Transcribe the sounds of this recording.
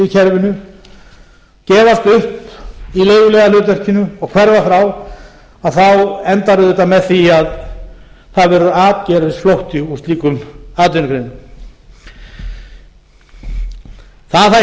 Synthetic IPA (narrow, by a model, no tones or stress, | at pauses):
icʰɛɾvɪnʏ | cɛːvast̪ʏhpileːjvʏlɛɣalʏːt̪̬vɛr̥cɪnʏɔɣkʰvɛɾvaθɾaw | aðθawɛnt̪aɾʏðɛht̪ːamɛðθiað | θaðvɛːɾʏaːt̪̚cɛɾvɪsflowht̪ʏust̪liːkʏmaːt̪ɪnkʰɾeːjnʏm | θaθa